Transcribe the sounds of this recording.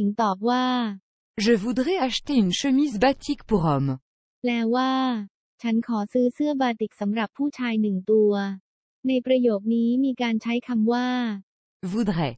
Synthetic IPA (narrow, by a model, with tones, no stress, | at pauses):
i˩˦ŋt̪ɔː˨˩p̚waː˥˩ | ʒəvud̪ʁɛaʃt̪eynʃəmizbat̪ʰikpuʁɔm | lɛː˦˥wwaː˥˩ | t͡ɕʰa˦˥nkʰɔː˩˦sɯː˦˥sɯ˥˩ɐbaː˧t̪i˨˩k̚sa˩˦mɾa˨˩pʰːuː˥˩t͡ɕʰaː˧jnɯ˨˩ŋt̪u˧ɐ | na˧jpɾa˧joː˨˩k̚niː˦˥miː˧kaː˧nt͡ɕʰa˦˥jkʰa˧mwaː˥˩ | vud̪ʁɛ